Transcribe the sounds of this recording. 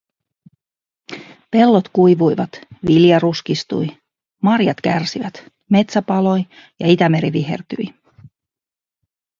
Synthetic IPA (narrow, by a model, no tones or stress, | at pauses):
pe̞lːo̞t̪kujʋujʋɑt̪ʋiljɑruskist̪ṵj | mɑrjɑt̪kærsiʋæt̪ | me̞t̪sæpɑlo̞j | jɑit̪æme̞ɾiʋiɦe̞̰rt̪y̰j